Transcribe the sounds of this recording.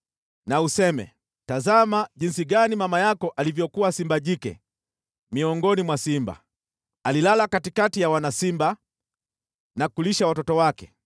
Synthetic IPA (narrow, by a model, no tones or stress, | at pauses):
nausɛmɛ̰ | tazamaʄinsiɡanimamajakɔʔalivjɔkuwasimbaʄikɛ̰ | miɔŋɡɔnimwasimba̰ | alilalakatikatijawanasimba | nakuliʃawatɔtɔwakɛ